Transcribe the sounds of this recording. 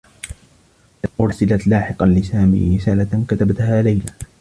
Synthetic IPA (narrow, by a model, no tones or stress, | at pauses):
ʔʊɾsɪlat̪laːħɪqɑnlɪsaːmḭːɾɪsaːlakat̪abat̪haːlajlaː